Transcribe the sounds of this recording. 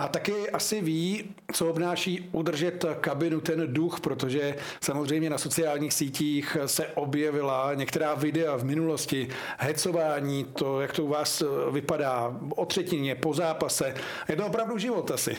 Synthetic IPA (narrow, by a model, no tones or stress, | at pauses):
ʔat̪akɪʔasɪviː | t͡soobnaːʃiːʔud̪r̩ʒɛt̪kabɪnut̪ɛnduxpɾo̞t̪oʒɛ | samozrɛjmɲɛnaso̞t͡sɪaːlɲiːxsiːciːxsɛʔobjɛvɪlaɲɛkt̪ɛɾaːvɪdɛavmɪnulo̞scɪ | ɦɛt͡so̞vaːɲiːt̪ojakt̪ouvaːsvɪpadaː | ʔot̪r̝̥ɛcɪnɲɛpo̞zaːpasɛ | jɛt̪oop̬ɾavduʒɪvo̞t̪asɪ̰